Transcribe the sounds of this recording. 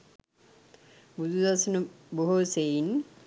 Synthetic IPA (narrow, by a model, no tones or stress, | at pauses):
bud̪ʱud̪asunu | boɦosejn